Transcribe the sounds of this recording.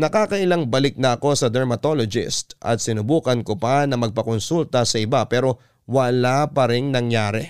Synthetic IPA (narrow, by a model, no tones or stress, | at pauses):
nɐkaːkɐʔɪlaŋbɐlɪk̚nɐʔɐko̞sɐd̪ɛɾmɐt̪olod͡ʒɪ̰st̪ʔɐ̰t̪̚sɪnʊbuːkɐnkopanɐmɐɡ̚pɐkonsult̪ɐsɐɪbapɛːɾo̞ | wɐlapɐɾɪŋnɐŋjaːɾɛ